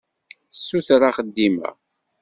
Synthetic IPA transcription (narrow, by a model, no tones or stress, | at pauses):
θəsːuθɾaχəd̪ːimæ̰